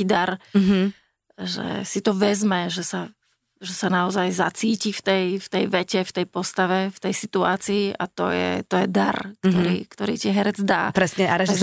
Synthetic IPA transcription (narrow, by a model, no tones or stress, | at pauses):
id̪aɾɦ | ʒɛ̰sit̪ɔʋɛzmɛʒɛsa | ʒɛsanaɔzajza̰t͡siːcift̪ɛjft̪ɛjʋɛcɛft̪ɛjpɔst̪aʋɛft̪ɛjsit̪ua̰ːt͡siːʔa̰t̪ɔ̰jɛ̰t̪ɔjɛd̪aɾkt̪ɔɾiːkt̪ɔɾiːtɪɛɦɛɾɛd͡zd̪a̰ːpɾɛsɲɛaɾɛʒ